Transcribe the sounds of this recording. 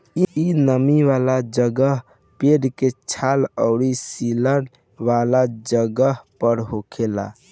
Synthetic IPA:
iinəmiʋalad͡ʒəɡəɦ | peɖket͡ʃʰaləʊɾisilən | ʋalad͡ʒəɡəɦpəɾɦokʰela̰

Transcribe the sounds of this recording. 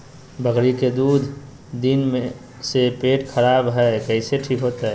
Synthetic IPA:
bʱəɡɾiked̪uːd̪ʱ | d̪inmẽ | sepeːʈkʰəɾaːbɦɛkəɪseʈʰikɦot̪aɦɛ

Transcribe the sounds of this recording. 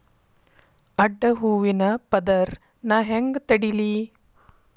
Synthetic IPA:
ɐɖːɐɦuːʋinɐpɐd̪ɐɾ | naːɦeŋɡt̪ɐɽili

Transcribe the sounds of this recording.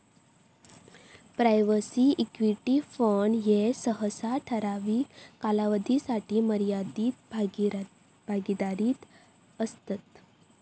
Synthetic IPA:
pɾajʋəsiikʋiʈifəɳjesəɦəsaʈʰəɾaʋiːkalaʋəd̪ʱisaʈiːməɾjad̪iːt̪b | bʱaɡid̪aɾiːt̪ | əst̪at̪

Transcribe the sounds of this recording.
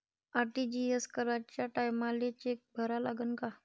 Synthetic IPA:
aɾʈid͡ʑieskəɾat͡ɕjaʈajmalet͡ɕek̚bʱəɾalaɡənka

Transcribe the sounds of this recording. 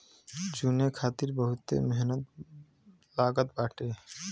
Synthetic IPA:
d͡ʒunekʰaːt̪iɾbəɦʊt̪ːḛmeɦnət̪̚ | laːɡət̪̚baːʈeː

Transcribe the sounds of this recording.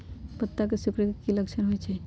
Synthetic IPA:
pət̪ːakesukɾəkekiləkt͡ʃʰənɦojt͡ʃʰɛ

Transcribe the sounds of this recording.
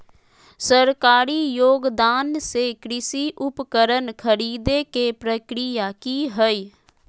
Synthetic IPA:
səɾkaːɾijoːɡd̪aːnsekɾɪsiʔʊpkəɾənkʰəɾiːd̪ekepɾəkɾijakiɦəi

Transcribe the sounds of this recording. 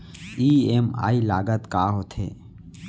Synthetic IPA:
iːema̰ːilaːɡət̪kaːɦot̪ʰḛː

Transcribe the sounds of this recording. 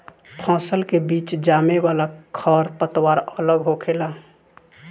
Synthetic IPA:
pʰɔ̃ːsəlkebiːt͡ʃd͡ʒaːmewaːlakʰəɾpət̪waːɾələɡɦokʰela

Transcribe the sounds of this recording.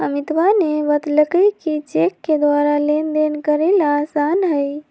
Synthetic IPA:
əmit̪ʋaneʋət̪ləkəkit͡ʃekːed̪ʋaɾalend̪enkəɾelaːsanɦəj

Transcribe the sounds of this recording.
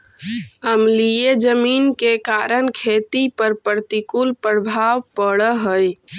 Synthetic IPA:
əmlijed͡ʒəminkekaɾənkʰet̪ipəɾpəɾt̪ikulpɾəbʱaʋpəɽəɦəj

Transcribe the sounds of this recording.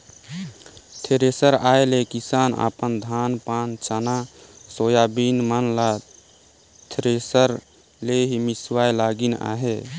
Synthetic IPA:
t̪ʰeɾesəɾaːjlekisaːna̰pənd̪ʱaːnpant͡ʃanasojabinmənla | t̪ʰɾesəɾ | leɦimiswajlaɡina̰ɦe

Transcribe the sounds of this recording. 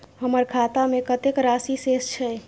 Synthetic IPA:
həməɾkʰat̪amekət̪ekɾasisest͡ʃʰɛj

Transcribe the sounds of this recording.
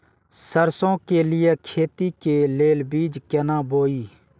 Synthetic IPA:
səɾsõːkelɪjekʰeːt̪ikeleːlbiːd͡ʒkɛnãːboːiː

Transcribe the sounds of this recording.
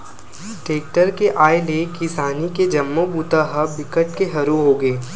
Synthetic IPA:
ʈeːk̚ʈəɾkeʔaːeleːkɪsaːniked͡ʒɐmːobuːt̪aɦəbɪkəʈkeɦɐɾuɦoːɡeː

